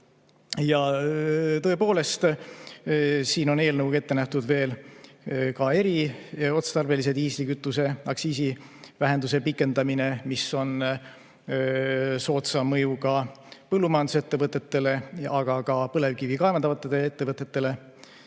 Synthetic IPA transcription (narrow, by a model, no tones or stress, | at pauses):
jɑ | t̪ɤ̞e̞po̞ːle̞st̪ | siːno̞ne̞ːlnəwke̞t̪ːe̞næht̪ud̪̥ve̞ːl | kɑe̞ɾio̞t̪st̪ɑrbe̞lise̞d̪̥iːslikyt̪ːˑuse̞ɑksiːsi | væɦe̞nd̪us̬e̞pikːˑe̞nd̪ɑmine̞miso̞n | so̞ːt̪sɑmɤjukɑ | pɤlːumɑjɑnd̪uset̪ːe̞vɤt̪ːˑe̞t̪ːe̞le̞ɑɡ̥ɑkɑpɤle̞vkivikɑevɑnɑvɑt̪ːˑeeet̪ːe̞vɤt̪ˑːe̞t̪ːˑe̞le̞